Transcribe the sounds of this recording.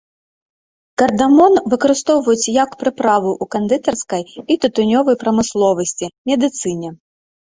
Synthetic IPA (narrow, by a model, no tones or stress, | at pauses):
kɐrd̪amɔnvɨkɐɾɨst̪ɔwvɐjut͡sʲjɐkpɾɨpɾavɨʔukɐnd̪ɨt̪ɐrskɐjit̪ɨt̪unʲɔvɐjpɾɐmɨslˠɔvɐsʲt͡sʲimʲɛd̪ɨt̪sɨnʲɛ